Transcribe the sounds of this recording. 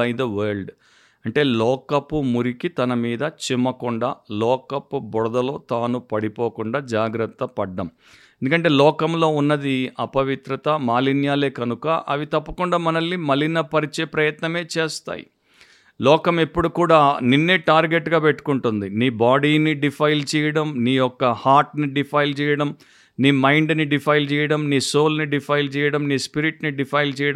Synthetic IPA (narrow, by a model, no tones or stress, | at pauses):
ɐjid̪ɐʋɐːɾɭɖ | ɐɳʈe̞ːlɔːkɐpːumuɾikit̪ɐnɐmiːd̪ɐt͡ʃimɐkuɳɖalɔːkɐpːubɔɽɐd̪ɐlo̞ːt̪aːnupɐɽipoːkuɳɖaːd͡ʒaːɡɾɐt̪ːɐpɐɖːɐm | end̪ukɐɳʈ̬eːlɔːkɐmlo̞ːunːɐd̪iɐpɐʋit̪ɾɐt̪ɐmaːlinjaːle̞ːkɐnukɐ̰ʔɐʋit̪ɐpːɐkuɳɖaːmɐnɐlːimɐlːinɐpɐɾit͡ʃeːpɾɐjɐt̪nɐme̞ːt͡ʃeːst̪a̰ːjḭ | lɔːkɐmepːuɽukuːɽaːninːeːʈaːɾɡeʈːɡaːpeʈːu̥kuɳʈund̪iniːbaːɽiːniɖipʰɐjlt͡ʃɛːjɐɽɐmniːjɔkːɐhaːɾʈniɖipʰɐjlt͡ʃɛːjɐɽɐm | niːmɐjɳɖniɖipʰɐjlt͡ʃɛːjɐɽɐmniːso̞ːlniɖipʰɐjlt͡ʃɛːjɐɽɐmniːspiɾiʈniɖipʰɐjlt͡ʃɛːjɐɽɐ